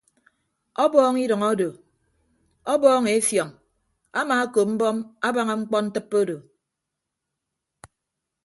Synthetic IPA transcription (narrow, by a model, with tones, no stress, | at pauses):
ɔ˦bɔː˦ŋi˦dʌ˨ŋɔ˦do˨ | ɔ˦bɔː˦ŋe˨e˦fjɔ˨ŋ | a˦maː˨a˦ko˨p̚m̩˦bɔ˦ma˦ba˦ŋa˨ŋ͡m̩˦k͡pɔ˦n̩˦tɨ˦pːo˦do˨